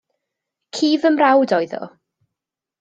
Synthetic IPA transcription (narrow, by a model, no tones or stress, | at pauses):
kʰiːvəmrawdɔɨðɔ̰